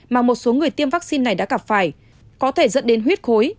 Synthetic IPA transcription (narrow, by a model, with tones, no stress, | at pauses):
maː˨˩mo˨˩t̚so˨˦ŋɨ˨˩əjt̪i˧əmvaː˦˥k̚si˧nːa˨˩jɗa̰ː˧˥ɣa˧˩p̚faː˧˩j | kɔ˨˦t̪ʰe˧˩zə̰˧˥nɗe˨˦nɦwi˦˥t̚xo˨˦j